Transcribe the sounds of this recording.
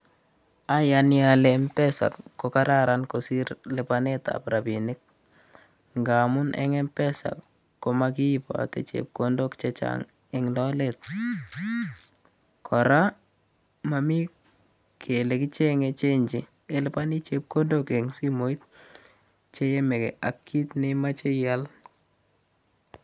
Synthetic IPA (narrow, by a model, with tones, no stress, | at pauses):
a˦janjalempɛ˦sa̰˨kːoka˦ɾa˦ɾanko˨si˦ɾlɪ˨paneta̰pɾa˨bi˨nɪ˦k̚ | ŋɡa˨mʊ˦nʔɛ̰ŋɛ˦mpɛ˦sa̰˨kː | o˨maki˦po̰˨a̰˨tḛ˨t͡ʃḛp̚kondo˦kt͡ʃet͡ʃa̰ŋ | eŋlɔ˦let̚ | kʰɔɾa˦ | mami˦ | kʰe˨le˨ki˦t͡ʃe˦ŋet͡ʃe˦ɲd͡ʒi | e˦lɪpa˦ni˦t͡ʃep̚ko˦ndoke˨ŋsi˦mo˨˦i˦t̚ | t͡ʃe˦jɛ˦me˨kḛ˨ʔa˨kːi˦tnema˦t͡ʃe˦jal